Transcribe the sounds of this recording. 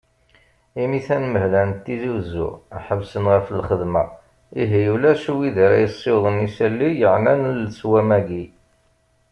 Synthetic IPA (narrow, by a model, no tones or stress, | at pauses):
imiθænməɦlænt̪ːiziwzʊ̰aħəbsənʁəfəlχəðmæ | iɦijulæʃwiðiɾæ̰jəsˤːewðˤənisælːijəʕnænlswæmæɡi